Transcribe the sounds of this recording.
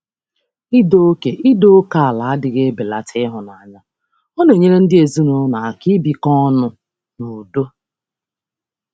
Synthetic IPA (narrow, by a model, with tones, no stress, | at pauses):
i˦do˦o˦ke˨ʔi˦do˦o˦ka˨a˨la˨a˦dɪ˨ɡe˦be˨la˨tʰɪ˦ɦʊ˨na˨a˨ɲa˦ | o˦no˨ɲe˦ɾe˦n̩˦dɪ˦e˨zu˦nʊ˨˦na˨a˨ki˦bi˨kɔ˦nʊ˦ | no˨do˦